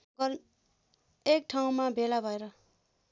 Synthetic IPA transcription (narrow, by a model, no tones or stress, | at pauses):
ɡʌ | ek̚ʈʰaw̃mabʱelabʱʌeɾʌ